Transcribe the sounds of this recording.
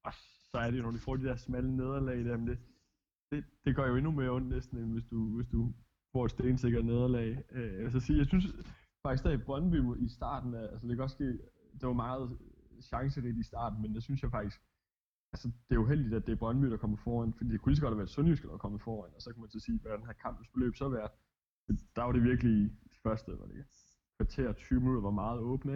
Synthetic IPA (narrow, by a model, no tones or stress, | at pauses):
ɒ̽ | sɒ̽æɐɾejo̝nɒd̥ifɒ̰ːd̥ed̥æɐsmæləne̝ð̞ˠɐlɛɪd̥æɐ̰mend̥e̝ | d̥e̝d̥e̝ɡ̥ɒɐjo̝e̝numeɔ̽n̰̥nesd̥n̩eʋe̝sd̥uʋe̝sd̥u | fɒ̰ːed̥sd̥eːnse̝ɡ̥ɐne̝ð̞ˠɐlɛ̰ɪelæs̬ɒsiːjɑ̈ɪsyns | fɑ̈ɡ̥isɡd̥æ̥b̥ʁɶnəb̥y̰misd̥ɑ̰̈ːd̥n̩æælsəd̥e̝kʰæ̥ɡɒ̽d̥sɡ̥e̝̰ː | d̥eʋɑ̈mɑ̈ːð̞̩ˠ | ɕɑ̈ŋsəʁid̥iisd̥ɑ̰̈ːd̥n̩mend̥esynsjɑɪfɑ̈ɡ̥d̥isɡ̥ | ælsəd̥e̝æuɦel̰d̥id̥æd̥e̝æɐb̥ʁɶnəb̥y̰ːd̥ɑ̈kʰɒ̽məfɒːæn̰fɒd̥ḭːd̥ekʰuliːs̬ɡɒ̽d̥ʋæːɐd̥sɔnjysɡ̥əd̥ɑɑkʰɒ̽mð̩ˠfɒːænɒ̽sɒ̽kʰumænsʰese̝̰ːʋɒd̥ænhækʰɑ̈m̰b̥n̩sb̥elø̰ːb̥sɒ̽ʋæɐd̥ | fɒd̥id̥ɑ̈ʋɑ̈ɾ̥e̝ʋiɐɡ̥əlifɶɐsd̥əʋɑ̈d̥e | kʰʋɑ̈t͡sʰe̝̰ːɐt͡sʰyːʊəminuð̥ˠɐʋɑ̈mɑ̈ːð̞̩ˠɔ̽ːb̥n̩ə